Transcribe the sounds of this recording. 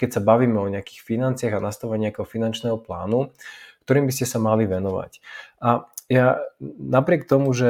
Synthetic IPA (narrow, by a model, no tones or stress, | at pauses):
kɛcsabaʋiːmɛɔɲɛaki̥ːxfinant͡sɪaɣanast̪aʋaɲɛakɛɦɔfinant͡ʃnɛːɦɔpla̰ːnukt̪ɔɾiːmbiscɛsamaliʋɛnɔʋa̰cʔajanapɾɪɛkt̪ɔmuʒɛ